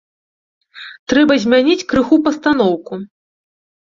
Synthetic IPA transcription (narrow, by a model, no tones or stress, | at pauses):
t̪ɾɛbɐzʲmʲanʲit͡sʲkɾɨxupɐst̪anɔwku